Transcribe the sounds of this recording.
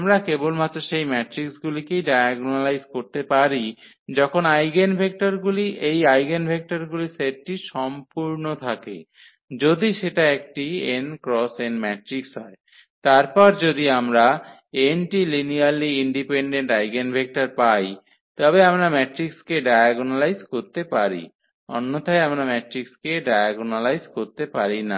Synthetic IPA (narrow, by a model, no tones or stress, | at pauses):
amɾakebolmaoʃejmɛʈɾiksɡulikejɖajaɡnalajzkoɾt̪epaɾi | d͡ʑɔkʰonajɡenbʱek̚ʈaɾɡuliʔejajɡenbʱek̚ʈaɾɡuliseʈːʈiʃɔmpuɾnot̪ʰakḛ | d͡ʑod̪iʃeʈaek̚ʈienkɾɔsɛnɖmɛʈɾiksɦɔe | t̪aɾpɔɾd͡ʑod̪iamɾa | enʈilinialiiɳɖipeɳɖeɳʈajɡenbʱek̚ʈaɾpaj | t̪ɔbeamɾamɛʈɾikskeɖajaɡonalajzkoɾt̪epaɾḭ | ɔ̰nːot̪ʰajamɾamɛʈɾikskeɖajaɡonalajzkoɾt̪epaɾina̰